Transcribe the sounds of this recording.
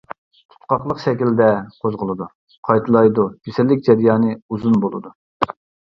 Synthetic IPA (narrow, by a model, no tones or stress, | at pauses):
t̪ʰu̥t̪qɑqlˠəqʃɛkʲild̪ɛqʰozʁəlˠɨd̪u | qʰɑjt̪ʰɨlˠɑjd̪ukʲʰesɪlːɪkʲd͡ʒɛɾjɑːnɨuzunbolˠɨ̰d̪u